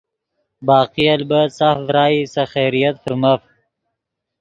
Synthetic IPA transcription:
bɑːqialbasafɾɑːisaxeːɾijat̪fəɾmaf

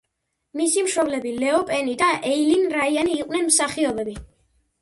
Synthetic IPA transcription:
misimʃɔblɛbilɛɔpʼɛnid̪aʔɛjlinɾaianiːqʼwnɛnmsaχiɔbɛbi

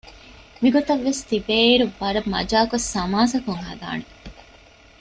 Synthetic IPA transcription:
miɡot̪ɐʋːest̪ibeːiɾubɐɾɐmɐ̰d͡ʒaːkosːɐmaːsɐkuŋɦɐ̰d̪a̰ːne

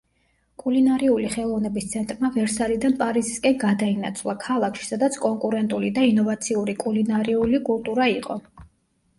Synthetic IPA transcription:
kʼulinaɾiuliχɛlˠɔvnɛbist̪sʰɛnt̪ʼɾmavɛɾsaɾid̪anpʼaɾiziskʼɛnɡad̪aina̰t̪sʰvlˠakʰalˠakʰʃi̥sad̪at̪sʰkʼɔŋkʼuɾɛnt̪ʼulid̪ainɔvat̪sʰiuɾikʼulinaɾiulikʼulˠt̪ʼuɾaiqʼɔ̰

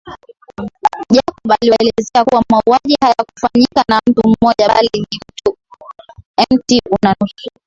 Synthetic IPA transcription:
ʄakɔɓaliɔɛlɛzɛakuwamauaʄihajaku̥faɲikanam̩tum̩mɔʄaalinim̩tu | ɛmtiunanusu̥

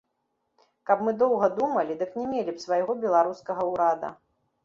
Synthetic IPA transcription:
kɐpmɨd̪ɔwɣɐd̪umɐlʲid̪ɨknʲɛmʲelʲipsvɐjɣɔbʲɛlˠaɾuskɐɣɐuɾad̪ɐ̰

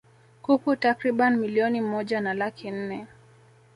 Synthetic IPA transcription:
kukutakɾiɓanmiliɔnimɔʄanalakin̩nɛ

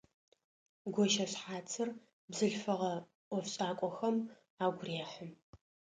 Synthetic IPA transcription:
ɡʷɔʃɐɕħaːt͡sʰɨr | bzɨɬfɨʁɐ | ɔfɕʼaːkʷʼɔxɐm | aːɡʷʊreːħəm

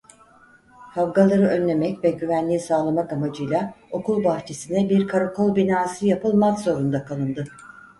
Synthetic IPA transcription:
havɡalˠaɾɯʔø̞nlʲe̞mɛcvɛɟyvænlʲiːsaːlˠamakamad͡ʒɯjlˠao̞kulˠbaxt͡ʃʰesinɛbiɾkʰaɾokʰo̞lˠbinaːsɯjapɯlˠmakzo̞ɾund̪akʰalˠɯnd̪ɯ

